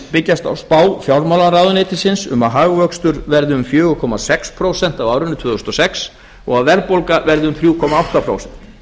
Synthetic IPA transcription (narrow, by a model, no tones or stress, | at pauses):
pɪcːast̪a̰wspaːwfjawɾmawlaɾaːðʏnɪːt̪ɪsɪnsʏ̰maɦaːɣvœkst̪ʏɾvɛɾðʏʏmfjœːɣʏkʰɔmasɛkspʰɾoːwsɛn̥t̪avawɾʏnːʏt̪ʰvʏːðʏst̪ɔsɛks | ɔɣaðvɛɾpolkavɛɾðʏʏmθɾjuːkʰɔmaawht̪apʰɾo̰ːwsɛn̥t̪